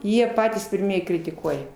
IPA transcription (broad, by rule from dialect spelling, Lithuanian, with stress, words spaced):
ˈjiɛ ˈpɑːtʲiːs pʲɪrʲˈmʲiɛj krʲɪtʲɪˈkuɔjɛ